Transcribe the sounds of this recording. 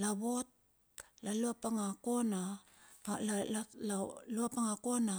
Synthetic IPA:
laβot̚ | laluapaŋakona | laluapaŋakona

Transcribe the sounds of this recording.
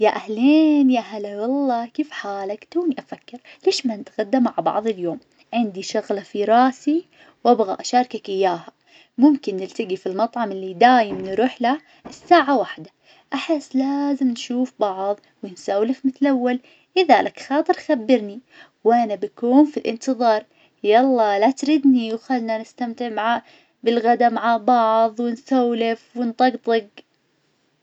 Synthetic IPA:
jaʔahleːnjaɦalawɑlˤːɑːkiːfħaːlakt̪uːniʔafakːɪɾleːʃmanɪt̪ɣad̪ːamːaʕbɑ̰ʕðˤɪljoːm | ʕɪnd̪iʃʊɣlafiɾˤɑːsi | wʔabɣa̰ʔaʃɑːɾˤkakʔɪjːaːha | mʊmkɪnːɪlt̪ɪɡifilmɑt̪ˤʕɑmɪlːid̪aːjɪmnɾuːħla | ʔɪsːaːʕawaħd̪a | ʔaħɪsːlaːzɪmnʃuːfbɑʕðˤ | wɪnsawlɪfmɪt̪lʔawːal | ʔɪðalʔakxɑːt̪ˤɨɾxabːɪɾni | wʔanabakuːnfilʔɪ̰nt̪ɨðˤɑːɾˤ | jɑlˤːɑːlat̪ɾɪd̪niwxalːnanɪst̪amt̪ɪʕmaʕa | bɪlɣad̪amaʕabɑʕðˤwɪnsawlɪfwɪnt̪ˤɑɡt̪ˤɨɡ

